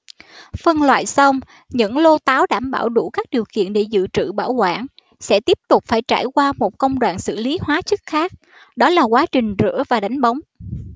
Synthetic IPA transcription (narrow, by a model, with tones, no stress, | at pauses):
fə˧nlwa̰ː˧˨jsa˧wŋ͡m | ɲɨ̰˧˥ŋlo˧t̪aː˨˦wɗaː˧˩mɓaː˧˩wɗu˧˩kaː˦˥k̚ɗi˨˩əwkḭ˧˨ənɗe˧˩zɨ̰˧˨t͡ɕɨ̰˧˨ɓa̰ː˧˩wkwa̰ː˧˩n | sɛ̰˧˥t̪i˦˥əp̚t̪ʊ˨˩k͡p̚faː˧˩jt͡ɕa̰ː˧˩jkwaː˧mo˨˩t̚kə˧wŋ͡mɗwa̰ː˧˨nsɨ̰˧˨li˨˦ɦwaː˨˦t͡ɕɨ˦˥k̚xaː˦˥k̚ | ɗɔ˨˦laː˨˩kwaː˨˦t͡ɕï˨˩ŋ̟zɨ̰˧˥əvaː˨˩ɗa˨˦jŋ̟ɓa˨˦wŋ͡m